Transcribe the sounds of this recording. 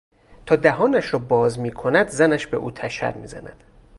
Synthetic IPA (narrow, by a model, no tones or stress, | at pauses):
t̪ʰɒːd̪æɦɒːnæʃɾɒːbɒːzmiːkʰo̞næd̪zænæʃbe̞̰ʔṵːt̪ʰæʃæ̰ɾmḭːzæ̰næ̰d̪̥